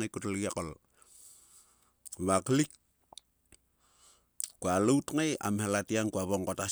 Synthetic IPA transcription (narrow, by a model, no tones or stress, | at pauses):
ŋajkutalɡiakol | βaklik | kualuutŋaja̰mhelatiaŋkuaβoŋkota